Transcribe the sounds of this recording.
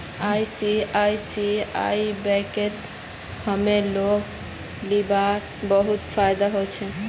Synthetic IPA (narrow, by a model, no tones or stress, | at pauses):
ajsiajsia̰jbɛket̪ | həmeloɡ | libaɾ | bəɦut̪pʰajd̪aɦot͡ʃʰɛ